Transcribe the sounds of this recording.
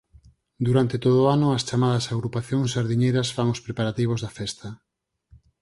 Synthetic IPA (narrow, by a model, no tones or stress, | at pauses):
d̪uɾant̪et̪oðoanʊɐst͡ʃamað̞ɐsaɣɾupaθjoŋsʃaɾðiɲejɾɐsfaŋospɾepaɾat̪iβ̞ozðɐfɛst̪ɐ